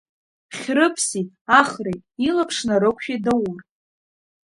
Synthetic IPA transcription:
χʲrɨpʰsitʼ | aχrejtʼilapʰʂnaɾɨkʷʰʃᶣidɨwr

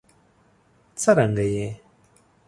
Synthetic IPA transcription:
t͡sʰaɾaŋɡaje

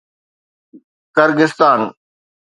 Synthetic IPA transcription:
kəɾɡɪst̪aːn

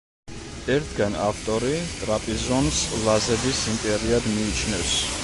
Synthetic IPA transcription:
ɛɾt̪̚ʰɡana̰ft̪ʼɔɾit̪ʼɾapʼizɔnslˠazɛbisimpʼɛɾiad̪miːt͡ʃʰnɛfs

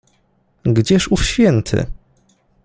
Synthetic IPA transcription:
ɡd͡ʑɛʂufɕfʲjɛnt̪ʰɘ̰

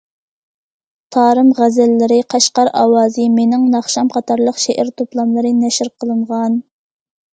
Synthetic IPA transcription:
t̪ʰɑːɾɨmʁæzɛlːɪɾɪqʰɑʃqɑɾɑ̰wɑːzɨmenɪŋnɑχʃɑmqʰɑt̪ʰɑɾlˠəqʃeʔæɾt̪ʰoplˠɑmlˠɨɾɨnɛʃɪɾqʰəlˠɨɴʁɑn

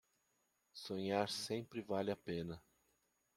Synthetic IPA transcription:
sõɲaɾsẽpɾɪvalɪapẽnɐ

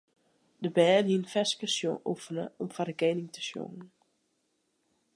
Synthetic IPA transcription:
dəbɛːnɦiənfɛskəsjõ̰ːʔufənəɔmfadəɡeːnɪŋtə̥sjo̰ŋən̩

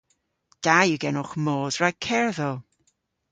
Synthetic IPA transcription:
d̥ajɨɡɛnʊχmoːdɹakʰɛɹðɔl

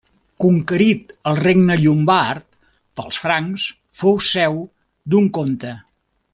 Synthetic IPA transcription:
kuŋkəɾit̪əlˠreɡnəʎumbaɾt̪ | pəlˠsfɾaŋs | fowsɛw | d̪uŋkont̪ə

